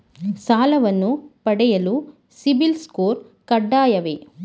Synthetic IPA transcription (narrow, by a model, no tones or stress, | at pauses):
saːlɐʋɐnːupɐɽɛjɐlu | sibilskoːɾ | kɐɖːaːjɐʋe